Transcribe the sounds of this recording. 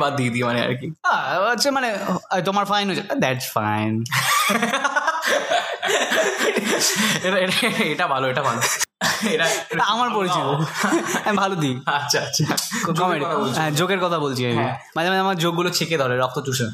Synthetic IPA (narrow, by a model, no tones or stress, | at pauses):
bad̪̚d̪id̪imanea̰ɾkiaatːʰamanet̪omaɾfajnɦojt͡ɕʰed̪ɛʈsfa̰jn | eʈaeʈaeʈabʱaloeʈabʱaloeʈaamaɾpoɾiiboamibʱalod̪iatːɕʰaatːɕʰakkɔmeɖit̪ʰabolɦɛ̃d͡ʑoɡeɾkɔt̪ʰabolt͡ɕʰiami | mad͡ʑemaamaɾd͡ʑoɡːulot͡ɕʰeked̪ʱɔɾeɾɔk̚t̪ot͡ɕuʃen